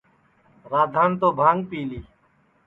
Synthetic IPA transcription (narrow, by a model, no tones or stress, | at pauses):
ɾaːd̪ʱaːnt̪oːbʱãːŋɡpiːliː